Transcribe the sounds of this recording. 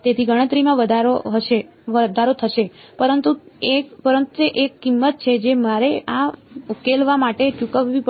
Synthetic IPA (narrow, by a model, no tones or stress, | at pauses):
t̪et̪ʰiɡəɽ̃ət̪ɾimãʋəd̪ʱaɾoɦəʃe | ʋəd̪ʱaɾot̪ʰəʃepəɾənt̪uekpəɾənt̪eʔekːimːət̪̚t͡ʃʰed͡ʒemaɾeaukelʋamaʈet͡ʃukəʋʋip